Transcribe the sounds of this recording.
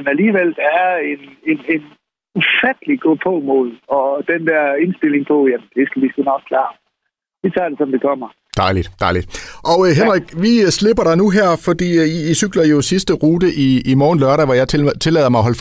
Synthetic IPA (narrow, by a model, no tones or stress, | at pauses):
næliːʋel̰d̥ɑæɐenenen | ufæd̥əliɡ̥ɔ̰ːpʰɔːmo̝ð̰ˠɒ̽d̥end̥æɐ̰e̝nsd̥e̝l̰e̝ŋpʰɔ̽jæmnd̥e̝sɡ̥æʋisɡ̥unɒɡ̥̚kʰlɑ̰̈ː | ʋit͡sʰɑ̰̈ːd̥e̝sɒ̽md̥ekʰɒm̰ɐ | d̥ɑ̈ɪlid̥d̥ɑ̈ɪlid̥ʔɒ̽ɦenʁeɡ̥ʋisle̝b̥ɐɾɑ̈nuɦæɐ̰fɒ̽d̥ḭːiisyɡ̥lɐjo̝sisd̥əʁuːd̥əʔiːmɒːnlɶɐɾæʋɒjɑ̈ɪt͡sʰe̝lɛ̰ːɐmɑ̈ɪɦɒ̽ləf